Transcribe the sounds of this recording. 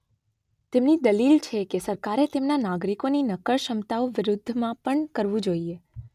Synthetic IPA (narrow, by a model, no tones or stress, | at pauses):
t̪emnid̪əlilt͡ʃʰekesəɾkaɾet̪emnanaɡɾikoninəkəɭʃəmt̪aoʋɪɾʊd̪ʱːmãpəɳkəɾʋũd͡ʒoie